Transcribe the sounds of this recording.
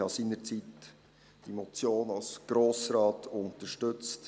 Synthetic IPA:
hɑsiːnəɾt͡sit | d̥imɔt͡sjoːnɑlsɡ̥ɾoːsɾɑːtʰʊntəɾʃtɵt͡st

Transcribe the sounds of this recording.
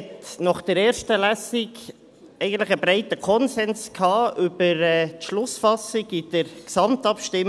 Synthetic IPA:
ɛtnɔχd̥əɾɛːɾʃtəlæsɪɡ | ɛɪɡən̩t̪lɪχəbɾɛɪtəkʰɔnsɛnskʰhɑːʔʏb̥əɾɛːtʃlʊsfɑsɪɡɪd̥əɾksɑmtɑpʃtɪm

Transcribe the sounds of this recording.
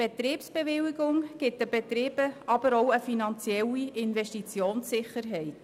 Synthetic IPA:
b̥et̪ɾiːpsb̥eʋɪliɡʊŋɡ̥ɪt̚dəb̥et̪ɾɪːb̥əɑbəɾowəfinɑnt͡sjɛlːiɪnvɛʃtit͡sjoːnsːɪχərɦɛɪt

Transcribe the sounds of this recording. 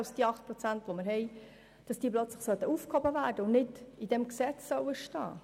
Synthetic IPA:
lsd̥iːɑχt̚pɾɔt͡sænt̪ʋomɪɾɦɛj | d̥ɑsd̥iːəplœt͡sləχsœt̪əufkhɔbəvæːrd̥əʊnnɪdidɛmksɛt͡ssœʊwəʃtɑ̰ː

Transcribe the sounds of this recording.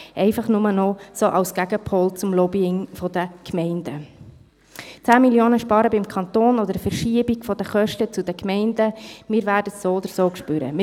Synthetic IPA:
ʔɛɪfɑχnʊmənɔsoːʔɑʊsɡ̥æɡəpʰhɔlt͡sʊmlɔbiɪŋfɔd̪əkmɛɪnd̥ə | t͡sæːmiljoːnəʃpɑːɾəbɪmkʰɑnt̪oːnɔd̪əɾfəɾʃiəbiɡ̥fɔd̥̪əχœʃtət͡sud̥̪əkmɛɪnd̥əmɪːɾvæːɾdətsoːod̪əɾsoːkʃpøɾə̰mɪ

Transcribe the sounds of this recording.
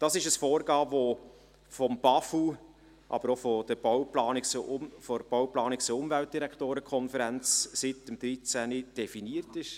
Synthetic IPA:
d̥ɑsɪʃəsfoːɾɡɑːvo | fɔmb̥ɑfu | ʔɑ̰bəɾofɔd̥̪əb̥ɔwplɑːnikt͡sʊmfɔɾb̥awplɑːnikt͡səʊmvælt̚d̥iɾækʰtoːɾəkʰɔnfəɾænt͡ssɪtəmd̪ɾit͡sænid̥ɛfiniəɾtɪʃ

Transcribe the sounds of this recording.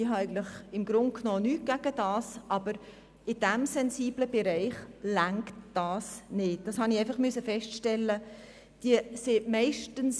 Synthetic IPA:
iɦɑɛɪɡən̩tlɪχɪmɡ̥ɾʊnt̚knoːnyːt̚ɡ̥æɡ̥əd̥ɑːsʔɑb̥əɾ | ɪd̥æmsɛnsiːb̥ləb̥ɛɾɛɪχlæŋktd̥ɑːsnɪt̚d̥ɑshɑnɪɛɪfɑχmʏsəfɛstʃtɛlːə | d̥iəsɪmɛɪʃtəns

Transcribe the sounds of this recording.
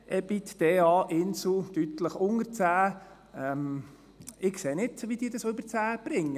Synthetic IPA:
ʔɛbit̪d̥eːɑːʔɪnsl̩ʊt̪yt̪ləχʊŋəɾt͡sæː | ɛm | ɪkseːnɪdʋid̥̪iːdɑsʏbəɾt͡sæːb̥ɾɪŋːə

